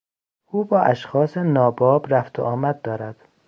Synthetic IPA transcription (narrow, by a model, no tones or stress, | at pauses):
uːbɒːʔæʃxɒːsenɒːbɒːbɾæft̪ʰo̰ʔɒːmæd̪̚ːɒːɾæd̪̥